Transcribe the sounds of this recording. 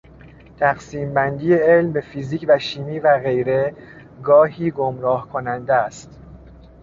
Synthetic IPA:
t̪ʰæxsiːmbænd̪iːeelmbe̞fiziːcʰvæʃiːmiːvæɣe̞jɾe̞ | ɡɒːɦiːɡomɾɒːhkʰo̞nænd̪est̪

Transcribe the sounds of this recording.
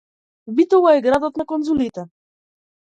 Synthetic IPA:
bit̪ɔlˠaɛɡɾad̪ɔt̪nakɔnzulit̪ɛ

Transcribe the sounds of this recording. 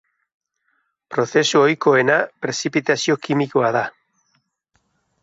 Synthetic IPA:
pɾoθesuojkoenapɾesipit̪asjokimikoaða

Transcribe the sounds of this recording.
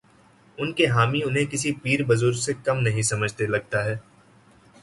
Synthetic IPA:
ʊnkeɦaːmiʊnɦẽkɪsipiːɾbɐzʊɾɡsekɐmnɐɦĩsɐməd͡ʒʱt̪elɐɡ̚t̪aɦɛː

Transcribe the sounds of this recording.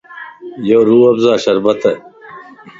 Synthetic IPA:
joːɾuːɐbzaːɕɐɾbɐt̪ɐ

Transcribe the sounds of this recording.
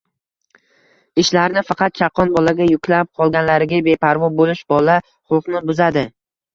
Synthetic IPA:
ɪʃlaɾnɪfɑqɑt̪̚t͡ʃʰɑqʰːɒnbɒlaɡʲajʊkʲʰlap̚qʰɒlˠɡʲanlaɾɪɡʲabe̞pʰaɾvɒbolɪʃbɒla | χʊlˠqnɪbʊzad̪ɪ

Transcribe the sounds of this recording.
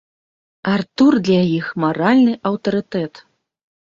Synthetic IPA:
art̪urd̪lʲajixmaɾalʲnɨʔɐwt̪ɐɾɨt̪ɛt̪

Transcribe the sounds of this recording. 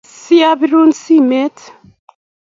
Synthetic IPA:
siabiɾunsimet̪

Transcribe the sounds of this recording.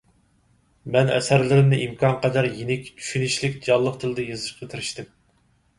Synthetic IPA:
mɛnɛ̰sæɾlɪɾɪmnɪʔimkʰɑnqʰɑd̪ɑɾjinɪkʲt͡ʃʰy̥ʃynɪʃlɪkʲd͡ʒɑlˠːəq̚t̪ʰɨlɪd̪ɛjɨzɨʃqʰət̪ʰɨɾɪʃt̪ɪm

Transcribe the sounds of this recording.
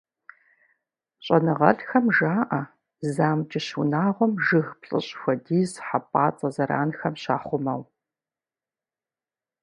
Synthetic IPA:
ɕʼɐnɨʁɐ̰ɬxɐmʒaːʔɐ | zaːmd͡ʒʼɪɕunaːʁʷɔmʒɨɣpɬʼɨ̰ɕʼxʷɐdiːzħapʼaːt͡sʼɐzɐɾa̰ːnxɐmɕa̰ːχʷʊmɐw

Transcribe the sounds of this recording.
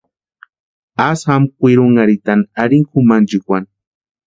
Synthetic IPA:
ashamkʷiɾʊŋaɾit̪anaɾiŋkumand͡ʒikʷan

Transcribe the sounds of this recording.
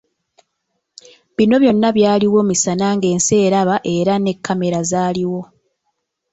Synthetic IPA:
βino̞βjo̞nːaβjaːliwo̞misanaŋɡe̞ːnse̞ːɾaβaʔe̞ɾane̞kʰːame̞ɾazaːliwo̞

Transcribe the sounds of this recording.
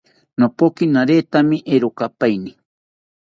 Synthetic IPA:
nopokinaɾeːt̪amiʔeɾokapajni

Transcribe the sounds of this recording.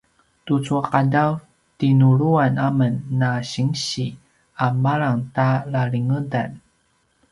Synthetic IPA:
tut͡suaqadaw | tinuɭuanamənːaɕiŋɕi | amaɭaŋtalaɭiŋudan

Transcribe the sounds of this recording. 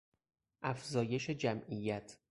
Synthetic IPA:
ʔæfzɒːje̞ʃed͡ʒæmʔijæt̪ʰ

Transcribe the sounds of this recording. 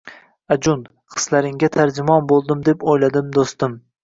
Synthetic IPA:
ad͡ʒʊn | qʰɨ̥slaɾɪŋʲat̪ʰaɾd͡ʒɪmɒnbolˠd̪ɪmd̪e̞pojlad̪ɪmd̪ost̪ɪm

